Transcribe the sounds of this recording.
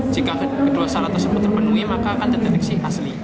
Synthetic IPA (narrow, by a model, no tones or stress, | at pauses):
d͡ʒikakakəd̥uasalat̪ərsəbut̪ːərpənuimakakant̪ərdaɾɛk̚sɪhʔasli